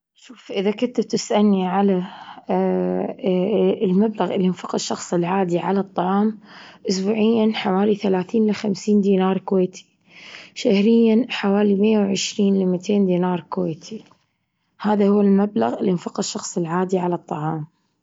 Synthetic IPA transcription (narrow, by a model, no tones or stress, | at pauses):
ʃuːfʔɪðakʊt̪ɪb̚t̪ɪsʔanːiʕala | lmablaɣʔɪlːinfɑqːʃːɑxsˤɪlʕaːd̪iʕalɑt̪ˤːɑʕɑːmʔʊsbuːʕɪjːanħawaːliθalaːθiːnlɪxamsiːnd̪iːnɑːɾˤkweːt̪ʰi̥ | ʃahɾɪjːanħawaːlimɪjːawʕɪʃɾiːnlɪmɪt̪ʰeːnd̪iːnɑːɾˤkweːt̪ʰi | haːðahʊwːalmabla̰ɣɪlːinfɑqːʃːɑxsˤɪlʕaːd̪iʕalɑt̪ˤːɑʕɑːm